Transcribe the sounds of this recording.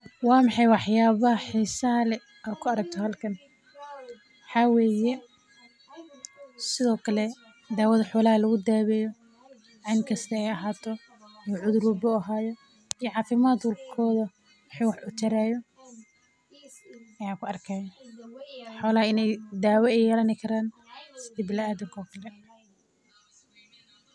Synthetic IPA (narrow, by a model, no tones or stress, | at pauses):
wɑːmɑħɑjwɑħjaːβɐħisalɛ | ʔaːd̪kʰʊɐɾɐɡ̚t̪ʰɔhɐlkʰɐn | ħɑwɛːjɛ | sɪðɔːkʰɐlɛ | d̪aːwɐðɐħɔːlɐhɐlɐɣʊd̪aːβɛːjɔ | ʕɪnkʰɐst̪ʰɐɛjɐɦaːt̪ʰɔ | ijʕʊðʊɾʊbʊɐɦaːjɔ | ijɔʕɑːfɪmaːd̪wʊlkʰɔːðɐ | wɑħiːwɑħʔʊt͡ʃ̪ɐɾaːjɔ | ɐjaːkʰʊɐrkʰaːjɐ | ħɔːlɐɦɐɪnɛjd̪aːwɛɛjɛːlɐnɪkʰɐɾaːn | sɪd̪iblɐaːd̪ɪŋkʰɔːkʰɐlɛ